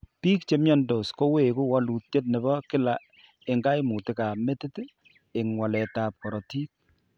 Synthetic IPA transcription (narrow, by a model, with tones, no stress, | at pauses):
piː˦k̚t͡ʃe˦mjɔ˦ndo˨sko˦we˨ku˦wa˦lu˨tje˦t̚nɛ˨bɔ˦kɪ˦la˨ | ɪ˨ŋɡa˦jmu˨tɪ˦ka˨me˦tɪ˦t | ɪ˨ŋwa˨lɛ˨ta˨p̚kɔ˨ɾɔ˨ti˦k̚